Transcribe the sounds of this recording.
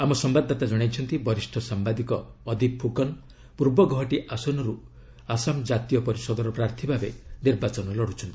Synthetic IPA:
amɔsɔmbad̪ʱːat̪ad͡ʒɔɽ̃ajt͡ʃʰɔnt̪ibɔɾisʈʰɔsambad̪ikɔːd̪ʱipʰːukɔn | puɾbɔɡɔɦɔʈiʔasɔnɔɾu | asamd͡ʒat̪ijɔpɔɾisɔd̪ɔɾɔpɾaɾt̪ʰibʱabeniɾbat͡ʃɔnɔlɔɽ̤ut͡ʃʰɔnt̪i̥

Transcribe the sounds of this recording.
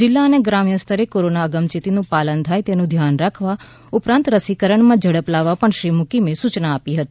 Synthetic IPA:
d͡ʒɪlːaəneɡɾamjəst̪ʰəɾekoɾonaəɡəmt͡ʃit̪inũpalənt̪ʰajt̪enũd̪ʱjanɾakʰʋa | upɾãnt̪ɾəsikəɾəɳmãd͡ʒʱəɽəplaʋːapəɳʃɾimʊkimesut͡ʃnaːpiɦət̪i

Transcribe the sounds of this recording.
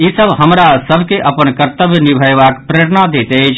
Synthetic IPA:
jisəbʱɦəmɾasəbʱkeʔəpənkəɾt̪əbʱjnibʱəjʋakpɾeɾnad̪eːt̪et͡ʃʰ

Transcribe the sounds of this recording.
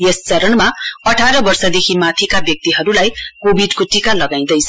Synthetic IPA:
jest͡sʌɾʌnmaʌʈʰaɾʌbʌrsʌd̪ekʰimat̪ʰikabjʌk̚t̪iɦʌɾulajkobʱiɖkoʈikalʌɡaĩd̪ʌjt͡sʰʌ

